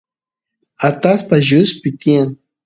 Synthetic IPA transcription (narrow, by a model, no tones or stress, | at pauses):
at̪aspaʒʊspɪt̪iaŋ